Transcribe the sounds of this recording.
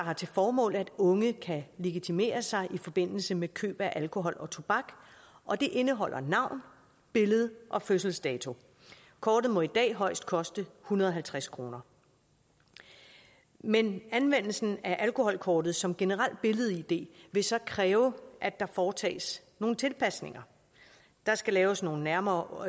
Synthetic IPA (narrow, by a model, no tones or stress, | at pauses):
dɑ̈ɦɑ̈t͡sʰe̝lfɒːmɔ̰̽ːlæd̥ɔ̽ŋəkʰæle̝ɡ̥it͡sʰime̝̰ːɐsɑ̈ɪʔifɒ̽b̥e̝n̰l̩səmekʰø̰ːb̥æʔælkʰo̝ɦɒ̽lɒ̽t͡sʰo̝b̥ɑɡ̥ | ʔɒ̽d̥e̝ʔe̝nəɦɒ̽l̰ʔɐnɑ̈ʊ̰n | b̥e̝ləð̞̩ˠʔɒ̽føsl̩sd̥ɛːt͡sʰo̝ | kʰɒːd̥ð̞̩ˠmɒ̽id̥ɛ̰ːɦɒ̽ɪ̰sd̥̚kʰɒ̽sd̥əhunɐðˠɒɦælt͡sʰʁaskʰʁo̝ːnɐ | menænʋen̰l̩sn̩æʔælko̝hɒ̽l̰kʰɒːd̥ð̞̩ˠsɒ̽mɡ̥e̝nəʁal̰d̥̚b̥e̝ləð̞ˠid̥e̝̰ːʋe̝sɒ̽kʰʁɛːʊʔæd̥ɑ̈fɒːt͡sʰɛ̰ːs | no̝ːn̩t͡sʰe̝lpʰæsne̝ŋɐ | d̥ɑ̈sɡ̥ælɛːʊsno̝ːn̩næɐmɐː